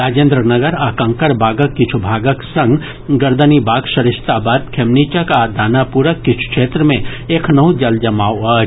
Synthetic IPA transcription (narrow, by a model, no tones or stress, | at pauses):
ɾaːd͡ʒẽːnd̪ɾənɐɡəɾaːkə̃ŋkəɾbʱaːɡəkːɪt͡ʃʰubʱaːɡəksɐ̃ŋɡ | ɡɐɾd̪ənibaːɡʃɐɾɪst̪aːbaːd̪kʰemniːt͡ʃəkaːd̪ʱaːnapuɾəkːɪt͡ʃʰu̥kʃeːt̪ɾəmẽeːkʰnɐud͡ʒɐld͡ʒɐmaːwa